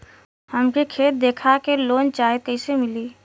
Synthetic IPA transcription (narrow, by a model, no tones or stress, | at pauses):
həmkikʰeːt̪̚d̪eːkʰakeloːnt͡ʃaːɦekɛːsemɪliː